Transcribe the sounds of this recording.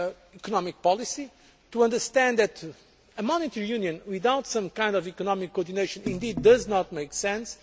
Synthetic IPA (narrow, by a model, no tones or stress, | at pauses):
ikɔnɔmik̚pɔlˠisi | t̪uɐ̃nd̪əɾst̪ɛ̃nd̪ðɛt̪ | əmɔnit̪ɛɹijũnjɨ̃nwiðawt̪sʌ̃mkãɪ̃nd̪ɔvikɔnɔmikːɔɾd̪ineɪʃɨ̃nĩnd̪id̪ːɐznɔt̪̚mejksɛ̃ns